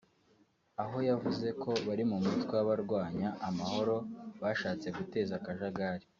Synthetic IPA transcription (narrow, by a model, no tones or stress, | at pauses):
aɦo̞javuze̞kʰo̞βaɾimumutwewaβaɾɡwaːɲaːmaho̞ɾo̞βaʃaːt͡se̞ɡute̞ːzakaʒaɡaɾi